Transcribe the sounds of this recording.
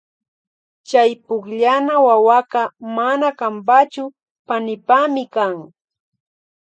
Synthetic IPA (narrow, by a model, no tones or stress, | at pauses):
t͡ʃajpʊkʎanawawaqɑmanakampat͡ʃʊ | panɪpamɪkaŋ